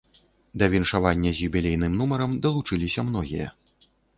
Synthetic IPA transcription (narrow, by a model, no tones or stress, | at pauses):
d̪ɐvʲinʂavanʲːɐzʲjubʲilʲejn̪ɨmnumɐɾɐmd̪ɐlˠut͡ʂɨlʲisʲɐmn̪ɔɣʲḭjɐ̰